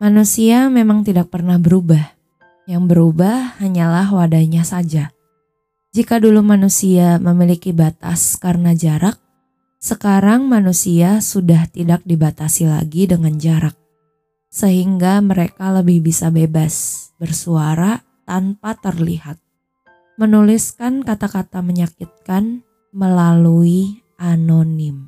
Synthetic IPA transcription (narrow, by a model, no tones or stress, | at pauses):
manusiamemaŋt̪idak̚pərnahbəɾubah | jaŋbəɾubahhaɲalahwadaɲasad͡ʒa | d͡ʒikadulumanusiaməmilikibat̪a̰skarnad͡ʒaɾak̚ | səkaɾaŋmanusiasudaht̪idak̚dibat̪asila̰ɡidəŋand͡ʒaɾak̚ | səɦiŋɡaməɾekaləbɪhbisabebasbərsuaɾa | t̪anpat̪ərlḭhat̪̚ | mənuliskankat̪akat̪aməɲakɪt̪̚kan | məlalui | anonɪm